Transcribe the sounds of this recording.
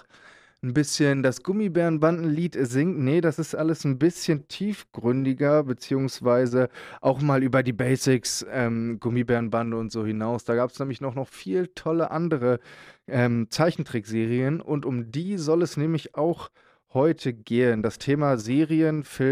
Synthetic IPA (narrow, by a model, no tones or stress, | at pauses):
n̩bɪsçəndasɡ̥ʊmibɛːɐnbandn̩liːtɛzɪŋtnədasɪstʔaləsn̩bɪsçəntʰiːfɡ̥ʁʏndɪɡɐbət͡siːʊŋsv̥aɪzəʔaʊxmaːlʔyːbɐdiːbɛɪsɪksʔɛːmɡ̥ʊmibɛːɐnbandəʊntz̥oːhɪnaʊsd̥aːɡaːpsnɛːmlɪçnɔχnɔχfiːltʰɔləʔandəʁəʔɛːmt͡saɪçn̩tʁ̥ɪkz̥eːʁiənʔʊntʊmdiːzɔlɛsnɛːmlɪçaʊx | hɔʏtʰəɡeːəndastʰeːmazeːʁiənfɪ